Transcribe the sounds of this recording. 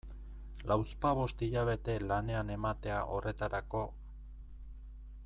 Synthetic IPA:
lawspaβ̞o̞st̪iʎaβ̞e̞t̪e̞lane̞ane̞mat̪e̞aʔo̞re̞t̪aɾako̞

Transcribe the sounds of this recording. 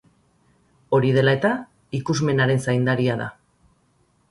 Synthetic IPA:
o̞ɾið̞e̞laet̪a | ikuzme̞naɾe̞nsajnd̪aɾiaða̰

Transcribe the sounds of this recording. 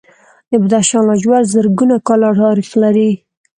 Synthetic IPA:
d̪əbad̪aʃɑnlad͡ʒwaɽzəɾɡunakɑlaʈɑɾixlaɾi

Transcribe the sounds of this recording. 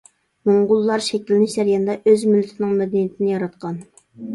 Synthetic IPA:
moɴʁʊlˠːɑɾʃɛkʲilɪnɪʃd͡ʒ̪æɾjɑnd̪ɑʔøzmylːt̪ʰɪnɨŋmɛd̪ɛnijit̪ʰɪnɪjɑɾɑt̪̚qʰɑn

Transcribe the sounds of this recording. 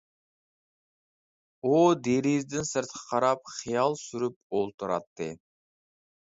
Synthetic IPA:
od̪eɾizd̪ɪnsɨɾt̪̚qʰɑ̥qʰɑɾɑp̚χijɑlˠsyɾyp̚olˠt̪uɾɑt̪ːɨ

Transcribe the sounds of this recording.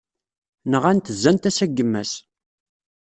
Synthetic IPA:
nəʁænt̪əzːænt̪æsæɡːəmːæ̰s

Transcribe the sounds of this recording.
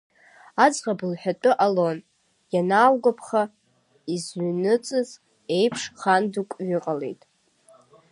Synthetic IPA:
ad͡zʁabɨlħʷᶣatʷʼɨʔalo̞n | janaːwɡapʰχa | izɥnɨt͡sʼɨz | e̞jpʰʂχandukʷʼɥʏqʼale̞̰jtʼ

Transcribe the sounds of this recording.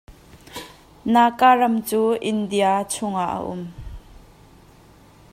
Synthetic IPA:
naːkaːrɐmt͡suːʔɪndiat͡sʰʊŋaʔə̰ʔʊ̰m

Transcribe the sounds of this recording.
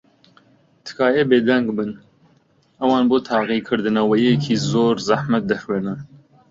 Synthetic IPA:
t̪ʰɨ̥kʰɑːjeːbeːd̪ɛŋɡbɨn | ʔɐwɑːnbot̪ʰɑːɣiːkʰɨɾd̪ɨnɛwɛjekʰiːzoːɾzahmɐt̪̚d̪ɐxweːɾnɐ

